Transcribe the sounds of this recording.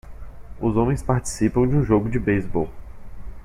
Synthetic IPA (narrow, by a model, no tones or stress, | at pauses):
ʊzõmẽj̃spaɾt͡ʃi̥sipɐ̃w̃d͡ʒɪũʒoɡʊd͡ʒɪbejzbow